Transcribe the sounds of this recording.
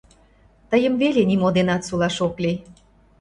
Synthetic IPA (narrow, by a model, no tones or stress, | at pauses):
t̪əjəmβelenimod̪enɑt̪sulɑʃokli